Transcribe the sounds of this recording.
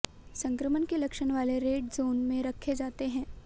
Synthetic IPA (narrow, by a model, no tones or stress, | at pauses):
sɐ̃ŋkɾəmənkelɐkʃənʋaːleɾeːʈzoːnmẽɾɐkʰːed͡ʒaːt̪eɦɛ̃ː